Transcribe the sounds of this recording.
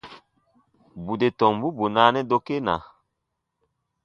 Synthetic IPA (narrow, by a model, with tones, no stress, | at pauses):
bu˨de˨tɔ˨ŋbu˦bu˨naː˨˦nɛ˦do˦ke˦na̰˨